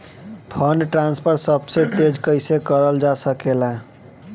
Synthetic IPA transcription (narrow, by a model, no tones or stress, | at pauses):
pʰʌnʈɾanspʰəɾsəbset̪ed͡ʒkəɪsekəɾəld͡ʒasəkela